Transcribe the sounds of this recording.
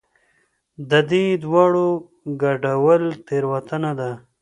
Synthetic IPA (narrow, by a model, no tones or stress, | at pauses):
d̪əd̪id̪waːɽo | ɡaɖawəlt̪eɾwat̪ənad̪a